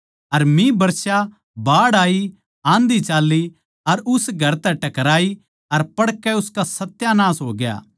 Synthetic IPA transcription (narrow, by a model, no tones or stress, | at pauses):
ɐɾmĩbɐɾʃa | baːɽaːi | ãːnd̪it͡ʃaːlːi | ɐɾʊsɡʱɐɾt̪ɛʈɐkɾaːi | ɐɾpɐɽkɛʊskasɐt̪ːjanaːsɦoːɡja̰ː